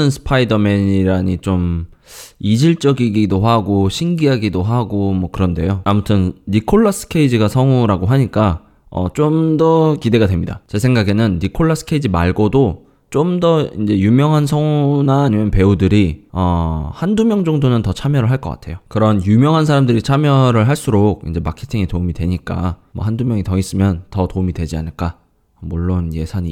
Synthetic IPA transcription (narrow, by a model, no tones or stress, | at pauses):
ɯnsʰɯ̥pʰaidʌme̞ɲiɾaɲit͡ɕom | id͡ʑiɭt͡ɕ͈ʌɡiɡidoɸaɡoɕʰiŋɡiɦaɡidoɦaɡomwʌkɯɾʌnde̞̰joamutʰɯnːikʰoɭːʌs͈ɯ̥kʰe̞id͡ʑiɡasʰʌŋuɾaɡoɦaɲik͈a | ʌ̰t͡ɕ͈omdʌkide̞ɡadwe̞mɲḭda̰t͡ɕe̞sʰe̞ŋɡaɡe̞nɯnːikʰoɭːʌs͈ʰɯ̥kʰeid͡ʑima̰ɭɡodo | t͡ɕomdʌind͡ʑe̞jumjʌŋɦansʰʌŋunaːɲimjʌnpe̞udɯɾiʌhandumjʌŋd͡ʑʌŋdonɯntʌt͡ɕʰamjʌɾɯɭɦaɭk͈ʌk͈a̰tʰe̞jokɯɾʌnjumjʌŋɦansʰaɾamdɯɾit͡ɕʰamjʌɾɯɭɦaɭs͈uɾok̚ḭnd͡ʑe̞makʰetʰiŋitomidwe̞ɲik͈a̰ | mʌ̰ɦandumjʌŋitʌis͈ɯmjʌntʌtomidwe̞d͡ʑia̰nɯɭk͈a | muɭːonje̞sʰaɲi